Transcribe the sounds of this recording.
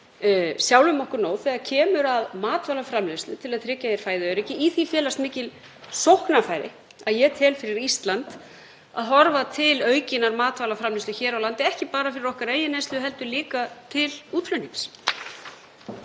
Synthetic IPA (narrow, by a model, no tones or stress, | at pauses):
sjawlʏmɔhkʏɾnoːwθɛɣacʰɛːmʏɾaðmaːt̪valafɾamlest̪lʏt̪ʰɪlaðt̪ʰɾɪcːajɛɾ̥faːjðɪœːɥɾɪcːɪʔiθifjɛːlast̪mɪːcɪl | sowhknafaːjɾɪ̰ | aðjɛt̪ʰɪlfɪɾɪɾist̪lant̪ | a̰ðɦɔɾvat̪ʰɪlœːɥcɪnaɾmaːt̪vaːlafɾamlɪst̪ʏçɛːɾawlant̪ɪɛhcɪpaːɾafɪɾɪɾɔhkaɾeːjɪnest̪lʏɦɛlt̪ʏliːkat̪ʰɪluːt̪ʰflœniŋs